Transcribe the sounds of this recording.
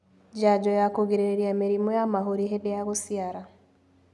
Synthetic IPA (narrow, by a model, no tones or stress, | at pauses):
d͡ʒad͡ʒɔjakoɣeɾeeɾiameɾimɔjamaɦoɾiɦeðejaɣosiaɾa